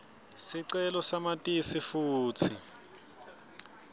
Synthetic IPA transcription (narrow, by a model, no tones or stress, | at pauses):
siǀɛlɔsamatʼisifuːt͡sʰi